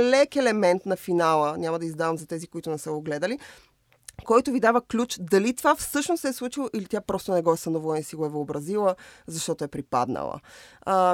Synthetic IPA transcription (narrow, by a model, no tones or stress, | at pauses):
lɛkɛlɛmɛnt̪nɐfinalˠənʲamɐd̪ɐizd̪avɐmzɐt̪ɛzikoit̪ʊnɛsəɡoɡlɛd̪əli | kɔjt̪ʊvid̪avəklʲut͡ʃd̪ɐlit̪vafsɤʃnost̪ɛslˠut͡ʃilˠoʔilit̪ʲjapɾɔst̪onɛɡɔɛsɐnovlˠisiɡoɛvəːbɾɐzilˠəzɐʃt̪ɔt̪oɛpɾipa̰d̪nə̰lˠə̰